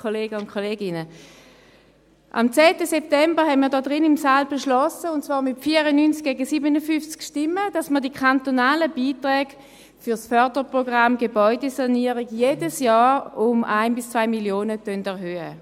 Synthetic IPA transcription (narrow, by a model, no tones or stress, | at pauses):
kʰoleːɡəʊntkʰoleːɡɪnə | ʔa̰mt͡sɛːtəsɛp̚tɛmbəhɛnmiːɐdɔːdʁɪnɪmsaːlbeʃlɔsəʊntt͡svɑːʁmɪtfiəʁənynt͡sk̚ɡ̥ɛːɡəsiːbənəfʏft͡skʃtɪmːəd̥asməɐdikʰantonaːləbiːtʁɛːɡ̥ | fyʁsfœɐdəpʁoɡʁamɡebɔʏdesaniɐʁiɡjeːdəsjɑːʁʊmaɪnbɪst͡svaɪmiljoːnətœndɛʁɦøːə̰